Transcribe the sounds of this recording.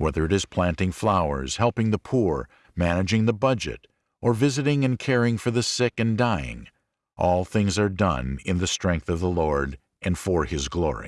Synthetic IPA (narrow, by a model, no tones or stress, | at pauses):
wɛðə˞ɨɾɨz̥pʰl̥æ̃ntɪ̃ŋflaʊə̰˞z̥hɛlˠpɪ̃ŋðəpʰuɹ | mænɨd͡ʒɪ̃ŋðəbʌd͡ʒɨ̰ɾ | ʔə˞vɪzɨɾɪ̃ŋɨ̃nkʰɛɹɪ̃ŋfə˞ðɨsɪkɨ̃ndaɪɪ̰̃ŋ | ʔɔlˠθɪ̃ŋzə˞dʌ̰̃nɪ̃nðɨstɹ̥ɛ̃ŋk̚θʌvðəlɔɹɾ | ʔɨ̃nfə˞ɪzɡlɔ̰ɹḭ